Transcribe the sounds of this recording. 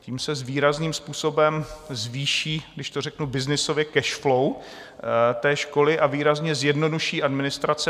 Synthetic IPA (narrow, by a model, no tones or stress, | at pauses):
ciːmsɛzviːɾazniːmspuːso̞bɛmzviːʃiːɡdɪʃt̪orɛknubɪznɪsovjɛkɛʃflow | t̪ɛːʃko̞lɪʔaviːɾazɲɛzjɛdno̞duʃiːʔadmɪnɪst̪ɾat͡sɛ